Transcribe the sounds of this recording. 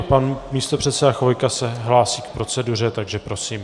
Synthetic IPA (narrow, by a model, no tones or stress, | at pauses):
panmiːst̪o̞pr̝̥ɛt̪sɛdaxvojkasɛɦlaːsiːk̚pɾo̞t͡sɛdur̝ɛt̪aɡʒɛpɾo̞siːm